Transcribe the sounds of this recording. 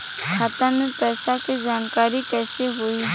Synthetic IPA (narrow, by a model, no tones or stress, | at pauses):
kʰaːt̪ãmẽpɛːsaked͡ʒaːnkaːɾikɛːseɦʊiː